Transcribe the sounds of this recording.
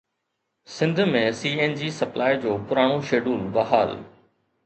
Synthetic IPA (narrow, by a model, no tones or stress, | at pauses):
sɪ̃nd̪ʱmẽsiːeːnd͡ʑiːsɐplaːid͡ʑoːpʊɾaːɽ̃oʃeːɖuːlbɐɦa̰ːl